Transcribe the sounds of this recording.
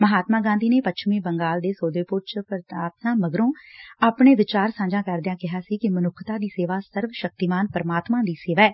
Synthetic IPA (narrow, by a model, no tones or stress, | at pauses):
məɦaːt̪mãːɡãːnd̪iːneːpət͡ʃʰmẽːbəŋɡaːld̪eːsoːd̪eːpʊɾt͡ʃpəɾaːt̪nãːməɡɾõːaːpɳeːʋɪt͡ʃaːɾsãːɲd͡ʒãːkəɾd̪ɪjãːkɪɦaːsiːkɪmənʊkʰt̪aːd̪iːseːʋaːsəɾʋʃək̚t̪iːmaːnpəɾəmaːt̪mãːd̪iːseːʋaːɛː